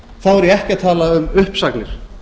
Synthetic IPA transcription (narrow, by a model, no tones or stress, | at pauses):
θawɛɾjɛɛhcɪat̪ʰaːlaʏmʏhpsaknɪɾ̥